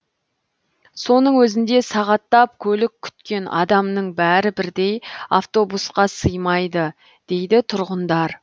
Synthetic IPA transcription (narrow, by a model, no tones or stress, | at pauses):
so̞nəɴwɵzɪnd̪e̞sɑʁɑt̪ːɑp̚kʲʰɵlɪk̚ʲʰːʏ̥t̪kʲe̞nʔɑ̰d̪ɑmnəɴbæɾɪbɪɾd̪e̞jaft̪o̞busqɑsəjmɑjd̪ə | d̪̥e̞jd̪ɪt̪ʰʊɾʁənd̪ɑɾ